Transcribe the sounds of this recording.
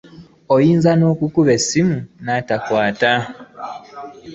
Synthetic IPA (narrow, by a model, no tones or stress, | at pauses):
ojiːnzano̞ːkukuβe̞simunatakwaːta